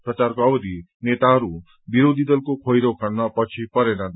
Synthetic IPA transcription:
pɾət͡ʃaɾkoɔbd̪i | net̪aɦʌɾu | biɾod̪ʱid̪əlkokʰojɾokʰaɽnapʌt͡ʃʰipʌɾenad̪

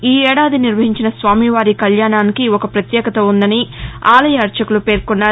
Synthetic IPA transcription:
iːɛːɽaːd̪iniɾʋɐɦiɲt͡ʃinɐsʋaːmiʋaːɾikɐljaːnaːnikiɔkɐpɾɐt̪jɛːkɐt̪oːund̪ɐniaːlɐjɐɐɾt͡ʃɐkulupe̞ːɾkunːaː

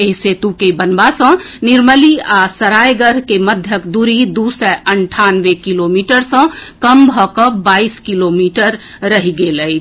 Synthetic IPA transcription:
eɦset̪ukebənbasə̃niɾməliasəɾajɡəɾkeməd̪ʱjəkd̪uɾid̪usɛʔəɳʈʰanʋekilomiʈəɾsə̃kəmbʱɔkəbaiskilomiʈəɾː | əɦiɡeləjt͡ʃʰ

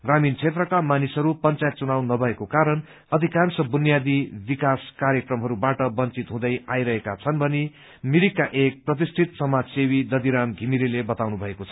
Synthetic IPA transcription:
ɡramint͡sʰet̪rʌkamanisɦʌɾupʌnt͡sajet̪̚t͡sunawnʌbʱʌekokaɾʌn | ʌd̪ʱikansʌbunjad̪ibikaskaɾjekrʌmɦʌɾubaʈʌbʌnt͡sit̪ɦũd̪ʌjajɾʌɦekat͡sʰʌnbʱʌni | miɾikaʔek̚prʌt̪̬isʈʰit̪sʌmad͡zsewid̪ʌd̪iɾamɡʱimiɾilebʌt̪awnubʱʌekot͡sʰʌ

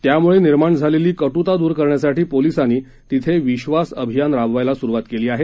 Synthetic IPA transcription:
t̪jamuɭeniɾmaɳd͡zʱaleliːkəʈut̪ad̪uːɾkəɾɳjasaʈiːpolisaniː | t̪it̪ʰeʋiɕʋasəbʱijanɾaʋʋajlasuɾuʋat̪keliːaɦe

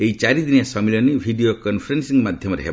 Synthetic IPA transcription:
eɦit͡ʃaɾid̪inasɔmilɔnibʱiɖijokɔnpʰɔɾensiŋmad̪ʱjɔmɔɾeɦḛb

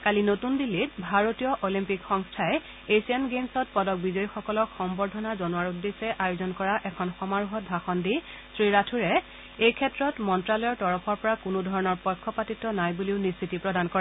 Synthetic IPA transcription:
kalinotundilːitbʱaɹotijɔʔolimpikxɔŋstʰaɛ | esianɡemsɔt̚pɔdɔk̚bizɔjixɔkɔlɔkxɔmbɔɹdʱɔnazɔnuaɹudːesɛʔajozɔnkɔɹaʔɛkʰɔnxɔmaɹuɦɔt̚bʱaxɔndi | sɹiɹatʰuɹɛ | ejkʰɛtɹɔtmɔntɹalɔjɔɹtɔɹɔpʰɔɹpɔɹakʊnudʱɔɹɔnɔɹpɔjkʰːɔpatitɔnajbuliʊnistʰitipɹɔdankɔɹɛ

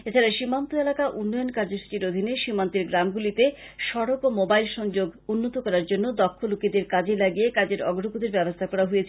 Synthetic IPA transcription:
et͡ɕʰaɾaʃimant̪oelakaʔunːɔjonkaɾd͡ʑosʈiɾod̪ʱineʃimant̪eɾɡɾamɡulit̪eʃɔɽokomobajlʃɔŋd͡ʑoɡunːot̪okɔɾaɾd͡ʑonːod̪ɔkʰːolukid̪eɾkad͡ʑelaɡiekad͡ʑeɾɔ̰ɡɾopud̪eɾbɛbost̪ʰakɔɾaɦojet͡ɕʰ

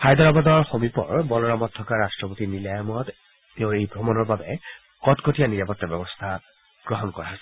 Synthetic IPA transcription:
xajd̪ɔɹɔbadɔɹxomipɔ̰ɹbɔlɔɹamɔtʰːɔkaɹastɹɔpotinilajɔmɔt | teʊ̃ejbʱɹɔmɔnɔɹbabɛ | kɔtkotijaniɹapɔtːabɛbɔst̪ʰa | ɡ̥ɹɔɦɔnkɔ̰ɹaɦasɛ

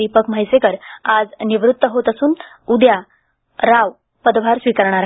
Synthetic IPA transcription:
ipəkm̤əjsekəɾad͡zniʋɾut̪ːəɦot̪əsuːn | ud̪ja | ɾaʋ | pəd̪ʋ̤ʱaɾsʋikəɾɳ̃aɾ

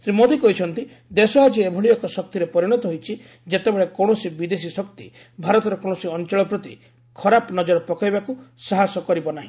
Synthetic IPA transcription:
sɾimod̪ʱikɔɦit͡ʃʰɔnt̪i | d̪esɔad͡ʒiebʱɔɭijɔkɔsɔk̚t̪iɾepɔɾiɽ̃ɔt̪ɔɦojt͡ʃʰi | d͡ʒet̪ebeɭekɔɳ̃ɔsibid̪es̬isɔkt̪ḭ | bʱaɾɔt̪ɔɾɔkɔɳ̃ɔsiɔnt͡ʃɔɭɔpɾɔt̪i | kʰɔɾapnɔd͡ʒɔɾɔpɔkajbakusaɦasɔkɔɾibɔnaɦĩ

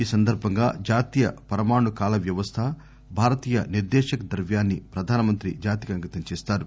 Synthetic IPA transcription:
iːsɐnd̪ʱɐɾbʱɐŋɡaːd͡ʒaːt̪ijɐ̰pɐɾɐmaːɳukaːlɐʋjɐʋɐst̪ʰɐ | bʱaːɾɐt̪iːjɐniɾd̪ɛːʃɐkɐd̪ɐɾʋjaːnːipɾɐd̪ʱaːnɐmɐnt̪ɾid͡ʒaːt̪ikɐŋɡɐt̪ɐɲt͡ʃɛːst̪aːɾu

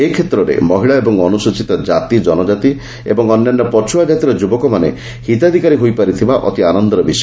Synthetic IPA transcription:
ekʰet̪ɾɔɾḛmɔɦiɭaebɔŋɔnusot͡ʃit̪ɔd͡ʒat̪id͡ʒɔnɔd͡ʒat̪i | ḛbɔŋɔnːanːɔpɔt͡ʃʰuad͡ʒat̪iɾɔd͡ʒubɔkɔmanḛ | hit̪ad̪ʱikaɾiɦojpaɾit̪ʰibaʔɔ̰t̪ianɔnd̪ɔɾɔbisɔ

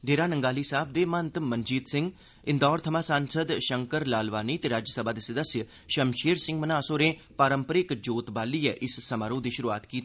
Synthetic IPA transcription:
ɖeːɾaːnəŋɡaːliːsaːb̚d̪eːmənt̪mənd͡ʒiːt̪sɪ̃ŋɡ | ɪnd̪ɔːɾt̪ʰəmaːsãːnsəd̪ʃəŋkəɾlaːlʋaːniːt̪eːɾaːd͡ʒjəsəbaːd̪eːsəd̪əsjə | ʃəmʃeːɾsɪ̃ŋɡmənaːsoːɾẽː | paːɾəmpəɾɪkd͡ʒoːt̪baːliːɛʔɪssəmaːɾõːd̪iːʃʊɾuaːt̪kiːt̪ː

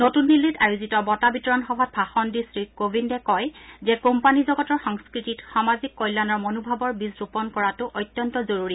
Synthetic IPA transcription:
notunːilːitajuzitɔbɔtabitɔɹɔnxɔbʱat̚bʱaxɔndisɹikobʱindɛkɔjzɛkompanizɔɡɔtɔɹxɔŋskɹititxamazikːɔjlanɔɹmonubʱabɔɹbisɹupɔnkɔɹatʊʔɔjtːjɔntɔzoɹuɹi

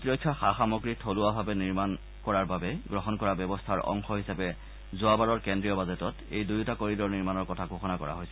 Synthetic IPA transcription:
tɔkʰːaxaxamɔɡɹitʰolʊabʱabɛniɹman | kɔɹaɹbabɛɡɹɔxɔnkɔɹabjɛbɔstʰaɹʔɔ̰ŋxɔɦisapɛ | zʊabaɹɔɹkendɹijɔbazetɔtḛjdujtakoɹidɔɹniɹmanɔɹkɔtʰaɡʱoxɔnakɔɹa̰ɦojsɛ

